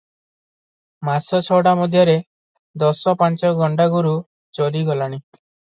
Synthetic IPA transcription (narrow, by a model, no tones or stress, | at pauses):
masɔt͡ʃʰɔwɽamɔd̪ʱjɔɾe | d̪ɔsɔpant͡ʃɔɡʱɔɳɖaɡuɾu | t͡ʃɔɾiɡɔlaɽ̃i